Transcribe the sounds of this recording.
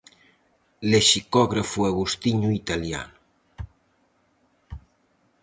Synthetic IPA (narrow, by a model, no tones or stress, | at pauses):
leʃikɔɣɾafuaɣust̪iɲuit̪alja̰nu